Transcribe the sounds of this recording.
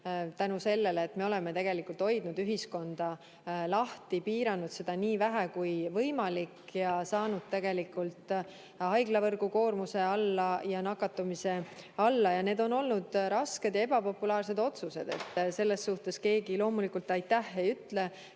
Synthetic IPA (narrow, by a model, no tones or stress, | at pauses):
t̪ænuse̞lːe̞leːt̪me̞o̞lemet̪e̞ɡ̥e̞likːˑult̪ho̞jd̪̥̚nud̪yɦisko̞nd̪̥ɑ | lɑht̪ipiːɾɑnud̪̥se̞d̪̥ɑniːvæɦækujvɤjmɑlikjɑsɑːnud̪̥̚t̪e̞ɡ̥e̞likːˑult̪ | ɑjɡ̥lɑvɤrɡuko̞ːrmuse̞ɑlːɑjɑnɑkːɑt̪ːˑumise̞ɑlːɑjɑne̞ːd̪o̞no̞lnud̪̥ɾɑsked̪jɑe̞bɑpo̞pːulɑːrse̞d̪o̞t̪suse̞̰d̪̥e̞̰t̪ːse̞lːe̞sːuht̪e̞ske̞ːɡilo̞ːmulikult̪ːɑjt̪ːæhejyt̪ːˑle̞